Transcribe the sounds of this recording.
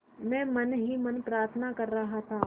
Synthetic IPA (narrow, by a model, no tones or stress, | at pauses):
mɛ̃ːmɐnɦimɐnpɾaːɾt̪ʰənakɐɾːɐɦat̪ʰaː